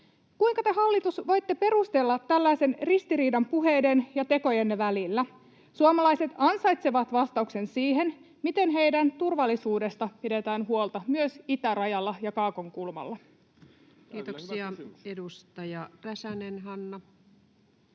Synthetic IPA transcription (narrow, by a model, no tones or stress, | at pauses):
kujŋkɑt̪e̞ɦɑlːit̪usʋo̞jt̪ːe̞pe̞ɾust̪e̞lːɑt̪ːælːæjse̞nrist̪iɾiːdɑmpuɦe̞jde̞njɑt̪e̞ko̞jenʋælilːæ | suomɑlɑjse̞t̪ɑnsɑjt̪seʋɑt̪ʋɑst̪ɑukse̞nsiːɦe̞n | mit̪e̞nɦe̞jdænt̪urʋɑlːisuːde̞st̪ɑpide̞t̪æːnɦuo̞lt̪ɑmyøsit̪ærɑjɑlːɑjɑkɑːkoŋkulmɑ̰lːɑ | kiːt̪osiɑedust̪ɑjɑræsænenɦɑnːɑ